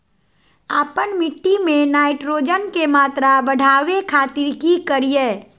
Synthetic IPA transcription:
aːpənmɪʈːimẽnaːɪʈɾoːd͡ʒənkemaːt̪ɾabəɽ̤ʱaːʋekʰaːt̪ɪɾkikəɾijeː

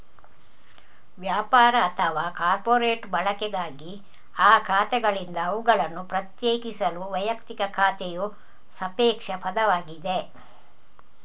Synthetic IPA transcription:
ʋjaːpaːɾɐːt̪ʰɐʋaːkaːɾpoːɾeːʈbɐɭɐkɛɡaːɡi | aːkʰaːt̪ɛɡɐɭind̪ɐːʋuɡɐɭɐnːupɾɐt̪jeːkisɐluʋɐjɐkt̪ikɐkʰaːt̪ɛju | sɐpeːkʂɐpɐd̪ɐʋaːɡid̪e

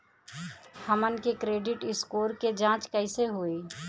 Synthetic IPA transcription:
həmənkekɾeːɖɪʈɪskoːɾked͡ʒãːt͡ʃkəɪseɦuiː

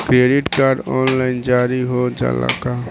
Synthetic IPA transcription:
kɾeːɖɪʈkaːɾɖɔːnlaːɪnd͡ʒaːɾiɦod͡ʒa̰ːla̰ka

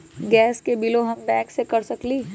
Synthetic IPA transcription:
ɡɛːskebiloɦɐmbɛ̃ːksekɐɾsɐkliː

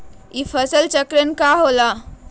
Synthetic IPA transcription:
ifʰəsəlt͡ʃəkɾənkaɦola

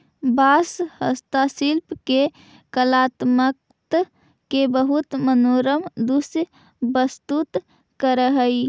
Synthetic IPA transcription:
bashə̰st̪asilpke | kəlat̪mək̚ | t̪ | kebəɦut̪mənoɾəmd̪us | bəst̪ut̪ | kəɾəɦəj

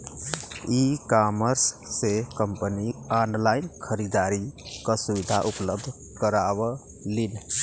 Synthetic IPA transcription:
ikaməɾsːekəmpənianlajinkʰəɾid̪aɾikəsuβid̪ʱa̰ʔupləb̚d̪ʱ | kəɾaβə | lin

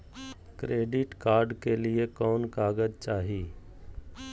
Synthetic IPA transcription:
kɾeːɖɪʈkaːɾɖkeliekɔːnkaːɡəd̪t͡ʃaːɦiː

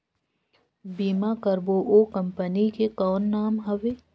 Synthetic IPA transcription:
biːmakəɾboʔoːkɐ̃mpənikekɔːnːaːmɦɐʋeː

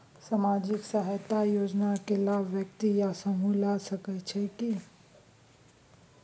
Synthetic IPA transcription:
samad͡ʒɪksaɦat̪ajoːd͡ʒnakelaʋjək̚t̪ijasəmulasəkɛt͡ʃʰeki

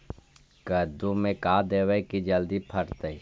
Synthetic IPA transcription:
kəɾd̪umẽkaːd̪eːwəkid͡ʒəld̪ipʰɐɾt̪əi

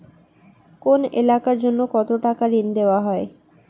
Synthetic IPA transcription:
konḛlakaɾd͡ʑonːokɔt̪oʈakaɾind̪eoaɦɔe

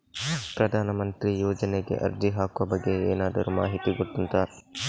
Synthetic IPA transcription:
pɾɐd̪ʱaːnɐmɐnt̪ɾijoːd͡ʒɐneɡe̞̰ʔɐ̰ɾd͡ʒiɦaːkuʋɐbɐɡːe̞eːnaːd̪ɐɾuma̰ːɦit̪iɡoɽt̪ːunt̪aːɾ

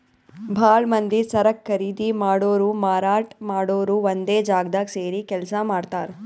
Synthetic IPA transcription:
bʱaːɭmɐnd̪isɐɾɐkʰːɐɾiːd̪imaːɽoːɾuːmaːɾaːʈmaːɽoːɾuːʋond̪eːd͡ʒaːɡd̪aːkseːɾikɛlsɐmaːɽt̪aːɾe

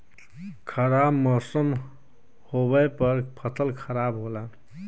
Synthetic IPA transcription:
kʰəɾabmɔsəm | hobəjpəɾpʰət̪ʰəlkʰəɾaːbɦoːlaː

